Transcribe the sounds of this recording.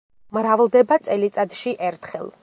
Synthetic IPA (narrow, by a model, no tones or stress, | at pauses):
mɾavlˠd̪ɛbat̪sʼɛlit̪sʼad̪ʃiʔɛɾt̪ʰχɛ̰lˠ